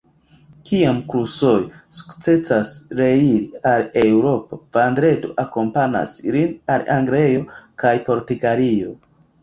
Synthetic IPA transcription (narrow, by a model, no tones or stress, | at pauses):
kiamkɾusojsu̥kt͡se̞t͡sasɾe̞iɾiale̞wɾo̞po̞v̥andɾe̞do̞̰ʔako̞mpana̰slinalaŋɡlejo̞kʰajpo̞ɾtiɡalio̞